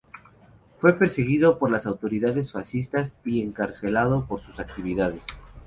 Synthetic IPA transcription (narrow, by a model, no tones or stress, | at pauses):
fwe̞pe̞ɾse̞ɣiðo̞po̞ɾlasawt̪o̞ɾiðaðe̞sfasist̪asie̞ŋkaɾse̞lað̞o̞po̞ɾsusak̚t̪iβ̞iðað̞es